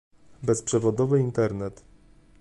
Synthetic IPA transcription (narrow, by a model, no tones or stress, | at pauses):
bɛspʂɛvɔd̪ɔvɘint̪ɛɾnɛt̪